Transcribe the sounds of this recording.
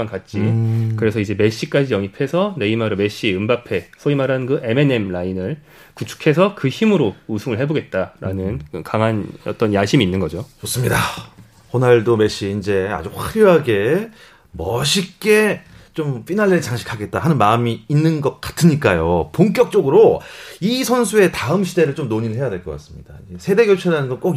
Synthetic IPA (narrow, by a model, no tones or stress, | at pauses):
ankat̚t͡ɕ͈ikɯɾe̞sʰʌid͡ʑe̞me̞ɕ͈ik͈ad͡ʑijʌŋipʰe̞sʰʌne̞imaɾɯme̞ɕ͈iɯmbapʰe̞sʰoimaɾankɯʔe̞me̞ne̞mlainɯɭ | kut͡ɕʰu̥kʰe̞sʰʌkɯçimɯɾousʰuŋɯɭɦe̞boɡe̞t̚t͈aɾa̰nɯnɯkaŋɦanʌ̰t͈ʌnjaɕʰimiːnːɯnɡʌd͡ʑot͡ɕos͈ɯmɲida | konaɭdome̞ɕ͈iːnd͡ʑe̞a̰d͡ʑuɸwaɾjuɦaɡe̞ | mʌɕʰik͈e̞t͡ɕomp͈inaɭːet͡ɕaŋɕʰi̥kʰaɡe̞t̚t͈aɦanɯnmaɯmiːnːɯnɡʌk̚k͈ḁtʰɯɲik͈ajopoŋk͈jʌk̚t͡ɕ͈oɡɯɾoisʰʌnsʰue̞taɯmɕʰide̞ɾɯɭt͡ɕomnoɲiɾɯɭɦe̞jadwe̞ɭk͈ʌk͈a̰s͈ɯmɲid̥aiesʰe̞de̞ɡjʌɭt͡ɕʰeɾanɯnɡʌnk͈o